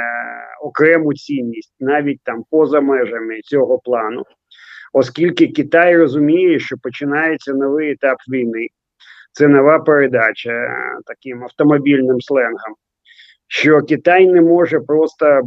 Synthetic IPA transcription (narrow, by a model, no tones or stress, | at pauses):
ɔkɾɛmʊt͡sʲinʲːisʲtʲnɑʋʲit̚ʲt̪ɑmpɔzɐmɛʒɐmɪt͡sʲɔɦɔplˠɑnʊ | ɔskʲilʲkɪkʲit̪ajrɔzʊmʲijɛʃt͡ʃɔpɔt͡ʃɪnɑjet͡sʲːɐnɔʋɪjɛt̪ɑpʋʲijnɪ | t̪sɛnɔʋɑpeɾed̪ɑt͡ʃʲɐt̪ɐkɪmɐwt̪ɔmɔbʲilʲnɪmslˠɛnɦɐm | ʃt͡ʃɔkʲit̪ajnɛmɔʒɛpɾɔst̪ɐ